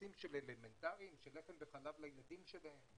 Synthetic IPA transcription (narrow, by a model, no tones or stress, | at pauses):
imʃeleleme̞nt̪aʁimʃelefembeχalavlajlad̪imʃelahe̞m